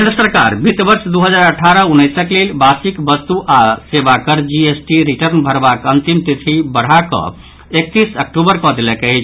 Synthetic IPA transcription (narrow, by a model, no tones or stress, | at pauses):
nd̪ɾəsəɾka̰ɾbit̪bəɾsd̪uɦəd͡ʒaɾəʈʰːaɾəunːəjsəklelbasikbəst̪uʔasebakəɾd͡ʒiesʈiɾiʈəɾnbʱəɾbakənt̪imt̪it̪ʰibəɽ̤akɔ̰̃ | ek̚t̪isək̚ʈubəɾkɔd̪elɛkeɛt͡ʃʰ